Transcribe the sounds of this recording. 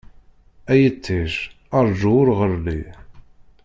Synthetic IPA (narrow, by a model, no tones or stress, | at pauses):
æjət͡sːiʃ | ɑɾˤʒuʊɾʁəɾli